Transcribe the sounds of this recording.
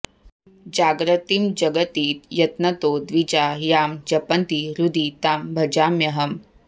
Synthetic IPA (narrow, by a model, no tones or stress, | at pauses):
d͡ʒaːɡɾɐt̪imd͡ʒɐɡət̪iːt̪jɐt̪nɐt̪oːd̪ʋid͡ʒaːjaːmd͡ʒɐpɐnt̪iɾud̪iːt̪aːmbʱɐd͡ʒaːmjɐɦɐm